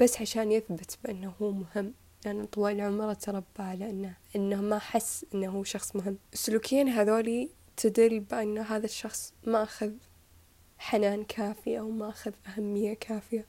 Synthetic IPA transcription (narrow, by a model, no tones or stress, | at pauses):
b̥asːʕaʃaːnjɪθbɪt̪bɪʔɪnːahuːmʊhɪmː | lʔanːɪt̪ˤːɑwɑːllʕʊmɾˤɑt̪ɾˤɑbːaʕalaʔanːaʔɪnːamaħasːʔɪnːahuːʃɑxsˤmʊɦɪmːʔɪsːʊluːkɪjaːnɦaːðoːli | t̪ʰɪd̪ɾibɪʔanːaɦaːðaʃːɑxsˤmaʔaxað | ħanaːnkʰaːfɪjawmaʔaxaðʔahamːɪjːakʰaːfɪja